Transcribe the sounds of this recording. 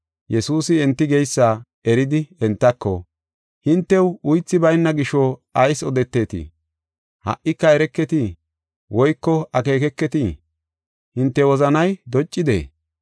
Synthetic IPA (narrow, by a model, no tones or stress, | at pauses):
jɛsuːsɪɛnt̪ːɪɡɛjsːaː | ɛɾɪd̪ɪɛnt̪ːɐkːɔ̰ | hɪnt̪ːɛwʊjt͡sːɪbɐjnːɐɡɪʃɔɐjsɔd̪ɛt̪ːe̞ːt̪ḭ | hɐ̰ʔːɪkːɐɛɾɛkːɛt̪i | wɔjkːɔɐke̞ːkɛkːɛt̪i | hɪnt̪ːɛwɔzɐnɐjd̪ɔt͡ʃʼːɪd̪ḛː